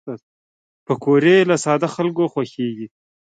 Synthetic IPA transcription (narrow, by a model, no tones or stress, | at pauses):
pəkoɾelasɑd̪axalkoxwaxeɡi